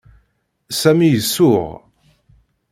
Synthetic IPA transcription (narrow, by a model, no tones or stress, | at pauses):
sæmijəsːʊʁ